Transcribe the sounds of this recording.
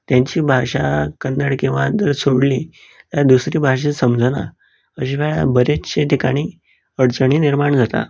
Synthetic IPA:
t̪jãɲt͡ɕiːbʱaʂakənːəɽkĩw̃ʋad͡z̪əɾsoɽli | t̪jad̪usɾiːbʱaʂ̬esəmd͡zʱəna̰ | əɕ̬iʋɛɭabəɾet͡ɕeʈ̪ikaɽ̃iː | əɽt͡səɳ̃iːniɾmaɳd͡zʱat̪a̰

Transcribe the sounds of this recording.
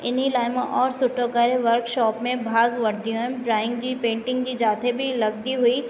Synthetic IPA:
ɪnilaːjmãʔɔːɾsʊʈʰokaːɾeʋɐɾkʃɔːpmẽbʱaːɡʋɐɾd̪ijõɛ̃bɾaːɪ̃ŋɡd͡ʑipẽːɳʈɪ̃ŋɡd͡ʑid͡ʒaːt̪ʰebʱilɐɡ̚d̪iɦʊi

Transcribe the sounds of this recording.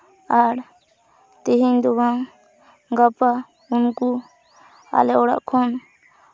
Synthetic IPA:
aɽ | t̪iɦind̪ɔbaŋ | ɡapa | unku | a̰lɛɔɽa̰ʔkʰɔn

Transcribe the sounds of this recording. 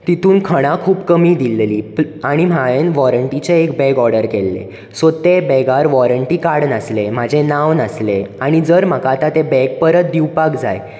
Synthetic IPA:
t̪it̪ʰuːnkʰəɽ̃ãkʰuːpkəmiːd̪illiːpaɽ̃im̤aɭenʋɔɾəɳʈit͡ɕeːkbɛɡɔɾɽəɾkelːḛ | sot̪ebɛɡaɾʋɔɾəɳʈikaɽnəslem̤ad͡ʑʱẽnaʋnəsleaɽ̃id͡zəɾm̤əkat̪at̪ebɛɡ̚pəɾət̪̚d̪iwpakd͡za̰j

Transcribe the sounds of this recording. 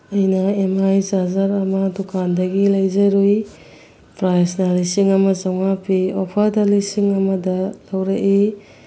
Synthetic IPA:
ɐjnɐemajzazaɾɐmɐdukʰandɐɡilɐjzɐɾuj | pɾajsnalisiŋɐmɐzawŋapʰiopʰaɾdalisiŋɐmɐdɐlɐwɾɐʔi

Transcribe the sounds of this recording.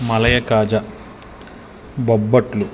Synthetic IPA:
mɐlɐjɐkaːd͡ʒɐ | bobːɐʈlu

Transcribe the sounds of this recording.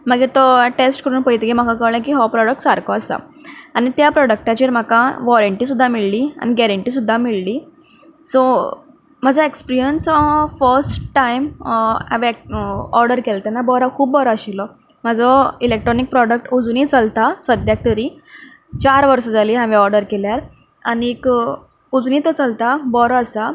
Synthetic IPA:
məɡiɾt̪ɔʈesʈkəɾuːnpəjt̪eɡem̤akakəlẽk̬iɦɔpɾɔɽək̚ʈsaɾkɔəsa̰anit̪japɾɔɽək̚ʈat͡ɕiːɾm̤akaʋɔɾəɳʈiːs̬ud̪ʱːamiɭliːa̰niɡɛɾəɳʈiːs̬ud̪ʱːamiɭliː | sɔ | m̤əd͡zɔekspiɾijənsfəɾsʈʈːaima̰ʋeɔɾɖəɾkelt̪ənabɔɾakʰuːbːɔɾɔəɕilɔ | m̤əd͡zɔilek̚ʈɾɔnik̚pɾɔɖək̚ʈud͡zuniːt͡səlt̪asəd̪ʱjak̚t̪əɾiː | t͡ɕaɾʋəɾsɔd͡zaliːɦãʋeɔɾɖəɾkeljaɾ | aniːk | ud͡zuniːt̪ɔt͡səlt̪abɔɾəsa

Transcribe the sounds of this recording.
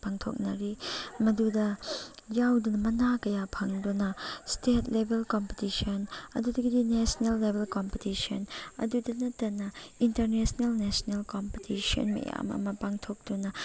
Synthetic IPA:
paŋtʰo̰k̚nɐɾimɐdudɐjawdunɐmɐnakɐjapʰɐŋdunɐstetlebelkompitisonɐ̰dudɐɡɐdinesnelːebʱelkompitisonɐ̰dudɐnɐtːɐnɐintɐɾnesnelnesnelkompitiso̰nmɐ̰ja̰mɐ̰mɐpaŋtʰok̚dunɐ

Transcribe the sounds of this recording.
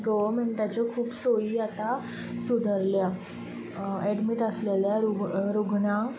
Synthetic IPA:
ɡəʋəɾmeɳʈat͡ɕɔkʰuːpsoɭiːat̪a | sud̪ʱəɾlja | ɛɖmiʈəsleljaɾuɾuɡnã

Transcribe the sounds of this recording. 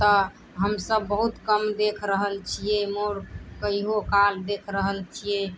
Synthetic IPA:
t̪ə | ɦəmsəbːəɦut̪kəmd̪ekʰɾəɦəlt͡ʃʰiemoɾkəiɦokald̪ekʰɾəɦəlt͡ʃʰije

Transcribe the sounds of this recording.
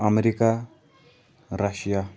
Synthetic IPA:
ameɾika | ɾaɕija

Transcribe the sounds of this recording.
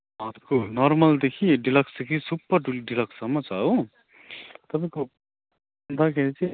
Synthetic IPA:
ãt̪konɔɾmʌld̪ekʰiɖilʌksd̪ekʰisupːʌɾɖilʌksʌmːʌt͡ʃau | t̪ʌpãj̃ko | nd̪akʰeɾit͡sʰi

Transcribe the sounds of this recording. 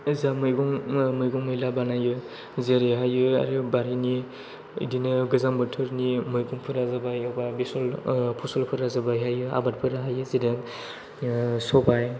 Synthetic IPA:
ɯzamɯjɡuŋmɯjɡuŋmɯjlabanajɯ | zeɾeɦajɯa̰ɾɯbaɾini | ḭdinɯɡɯzambɯtʰɯɾnimɯjɡuŋpʰɯɾazabajɔbabisɔlpʰusɔlpʰɯɾazabajɦajɯa̰bat̚pʰɯɾaɦajɯzidak | sɔbaj

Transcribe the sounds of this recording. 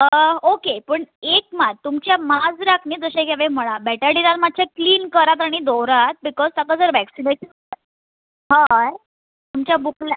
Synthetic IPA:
əokepəɳek̚mad̪̚t̪umt͡ɕjamad͡zɾakʰɳiːd͡zəɕeɡaʋem̤əɭ̃abɛʈəɽiɾat̪mad̪̚t͡ɕʰakliːnkəɾat̪aɽ̃id̪oɾat̪̚bikɔzt̪akad͡zəɾʋæksineɕən | ɦãj | t̪umt͡ɕjabukla

